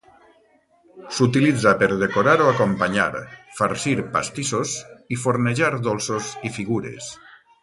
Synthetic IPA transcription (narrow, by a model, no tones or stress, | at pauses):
sut̪ilid͡zapeɾð̞ekoɾaɾoakompaɲa̰ɾfaɾsiɾpa̰st̪isosifoɾneʒaɾðolˠsozifiɣuɾḛs